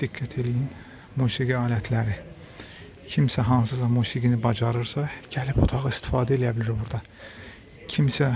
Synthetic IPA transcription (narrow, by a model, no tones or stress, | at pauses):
d̪̥iɡːæt̪ʰe̞lijin | musiɡiɑːlæt̪ʰlæɾi | cʰimsæɦɑnsɯsɑmusiɡinibɑd͡ʒɑɾɯɾsɑɟ̥ælipot̪ʰɑʁɯist̪i̥fɑːd̪æelijæbilʲiɾbuɾd̪ɑ | cʰimsæ